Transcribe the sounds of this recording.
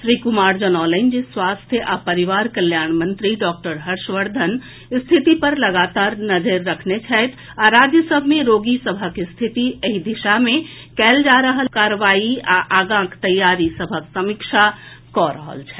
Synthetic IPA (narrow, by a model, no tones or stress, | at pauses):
ʃɾikumaɾd͡ʒənɔlənd͡ʒeswast̪ʰjəʔapəɾiʋaɾkəljaɳmənt̪ɾiɖɔk̚ʈəɾɦəɾʃʋəɾd̪ʱən | st̪ʰit̪ipəɾləɡat̪aɾnəd͡ʒəɾːəkʰnet͡ʃʰɛt̪ʰ | aɾad͡ʒjəsəbʱmeɾoɡisəbʱəkst̪ʰit̪iəɦid̪iʃame | kɛld͡ʒaɾəɦəlkaɾʋaiaʔaɡãkt̪əjːaɾisəbʱəksəmikʃʰa | kɔɾə̰ɦə̰lt͡ʃʰɛ̥